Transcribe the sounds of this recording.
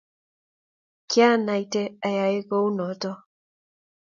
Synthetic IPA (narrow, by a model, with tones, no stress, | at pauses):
kja˦na˨i˨tɛ˦a˨ja˨e˦kɔ˦u˦nɔ˨tɔ˦